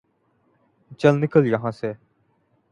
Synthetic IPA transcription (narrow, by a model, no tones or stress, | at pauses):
t͡ʃəlnɪkəljəɦãːsɛː